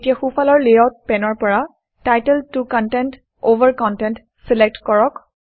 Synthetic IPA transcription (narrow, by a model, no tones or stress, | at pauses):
tijaxufʰalɔɹleɔt̚pɛnɔɹpɔɹa | tajtɛltukɔntɛnt | ovəɹkɔntɛnt | sɛlek̚tkɔɹɔk